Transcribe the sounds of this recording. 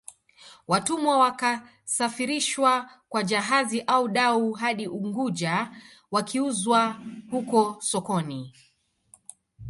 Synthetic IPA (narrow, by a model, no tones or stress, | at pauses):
watumwawaka | safiɾiʃwakwaʄaɦaziʔauɗauɦaɗiʔuŋɡuʄa | wakiuzwahukɔsɔkɔni